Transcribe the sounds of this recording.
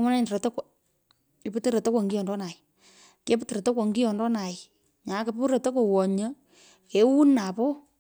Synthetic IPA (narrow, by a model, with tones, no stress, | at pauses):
mɔ˦na˦ɲ˨dɾo˨to˦kʷ | i˨pu˦tə˦ɾo˨to˦kwɔ˨ŋɡi˦jɔ˨ndɔ˦na˨j | ke˦ptə˨ɾe˨to˦kwo˨ŋɡi˦jɔ˨ndɔ˦na˨j | ɲa˨˦ke˨˦pu˦ɾe˨to˦ko˨wɔ˨ɲə˦ | ke˨wu˦na˨pɔ˦